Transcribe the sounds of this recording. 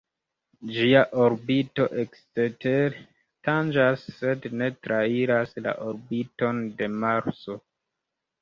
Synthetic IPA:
d͡ʒiaʔoɾbito̞ʔekstete | tand͡ʒasːe̞dne̞tɾʔaiɾasla̰ʔoɾbito̞nde̞maɾso̞

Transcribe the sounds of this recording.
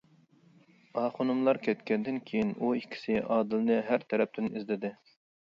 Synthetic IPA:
ɑχonɨmlˠɑɾkʲʰɛt̪kʲʰɛnd̪ɪnkʲʰejinuikʲʰːi̥sɪʔɑːd̪ɨlnɨɦæɾt̪ʰɛɾɛp̚t̪ɪnizlɪd̪ɪ

